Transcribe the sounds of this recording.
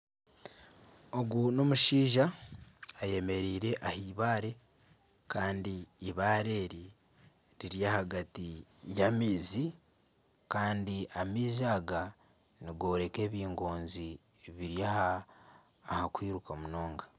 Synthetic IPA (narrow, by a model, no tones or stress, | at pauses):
o̞ɡuno̞muʃiːʒaː | je̞me̞ɾiːɾe̞ʔahiβaːɾe̞ | kaːndiːβaːɾe̞ːɾi | ɾiɾjahaɡatijamiːzi | kaːndiamiːzaːɡa | niɡo̞ɾe̞ke̞ːβiːŋɡo̞ːnzi | βiɾjahaː | hakwiːɾukamuno̞ːŋɡa